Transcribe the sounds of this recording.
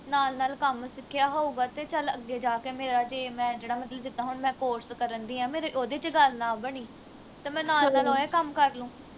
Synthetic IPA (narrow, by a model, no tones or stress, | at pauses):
naːlnaːlkəmsɪkʰːɪjaːɦoːuːɡaːt̪eːt͡ʃələɡːeːd͡ʒaːkeːmeːɾaːd͡ʒeːmɛ̃ːd͡ʒeːɽaːmət̪ləbd͡ʒɪt̪ːãːɦʊɳmɛ̃ːkoːɾskəɾənd̪iːɛ̃ːmeːɾeʔoːd̪eːt͡ʃɡəlnãːbəɳiː | t̪aːmɛ̃ːnaːlnaːlɦoːeːkəmkəɾlũː